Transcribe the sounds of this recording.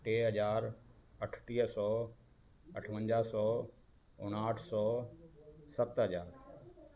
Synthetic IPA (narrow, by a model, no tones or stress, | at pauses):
ʈeːɦɐd͡ʑaːɾɐʈʰʈiːɦəsɔː | ɐʈʰʋə̃ɲd͡ʑaːsɔː | ʊ̰ɽ̃aːʈʰsɔː | sɐt̪ɦəd͡ʑaːɾ